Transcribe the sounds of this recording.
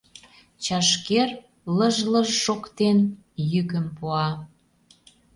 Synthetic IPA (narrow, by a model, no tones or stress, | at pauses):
t͡ɕɑʃker | ləʒləʒʃokt̪en | jykəmpuɑ